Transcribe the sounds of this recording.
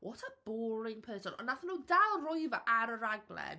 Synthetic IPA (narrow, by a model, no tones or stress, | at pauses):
wʔɔtʰəb̥ɔːlɪŋpʰəːsənɔ̰naθənuːdalˠrɔjvəʔaɾəɾaɡlˠɛ̰